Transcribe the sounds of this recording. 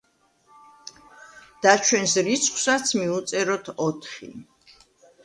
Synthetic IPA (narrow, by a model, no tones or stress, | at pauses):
d̪̥at͡ʃʰwɛnsɾit̪sʰχwsat̪sʰmiut̪sʼɛɾɔt̪ʰɔt̪ʰχḭ